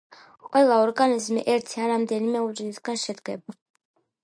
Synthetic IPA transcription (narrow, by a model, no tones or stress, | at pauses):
qʼwɛlˠaɔɾɡanizmiʔɛɾt̪ʰiaɾamd̪ɛlimɛut͡ʃʼiniskanʃɛd̪ɡɛba